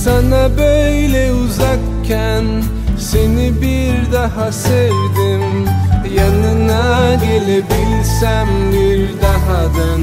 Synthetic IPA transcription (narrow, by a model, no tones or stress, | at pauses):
sanabøjlɛuzak | cʰːæn | se̞nibiɾd̪aɦasevd̪imjanɯnaɟe̞lʲebilʲsæmbiɾd̪aɦad̪an